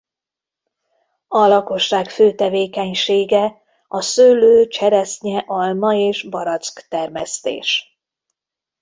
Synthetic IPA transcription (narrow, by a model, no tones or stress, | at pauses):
ɒlɒko̞ʃːaːkføːt̪ɛveːkɛɲʃeːɡɛ | ɒsøːløːt͡ʃɛɾɛsɲɛʔɒlmɒeːʒbɒɾɒt̪skt̪ɛrmɛst̪ḛːʃ